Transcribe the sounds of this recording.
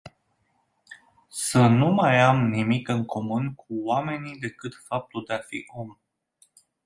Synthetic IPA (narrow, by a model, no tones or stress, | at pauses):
sənumajamnimikɨŋkʰo̞munkʰuwame̞nid̪e̞kɨt̪fap̚t̪uld̪eafḭʔo̞m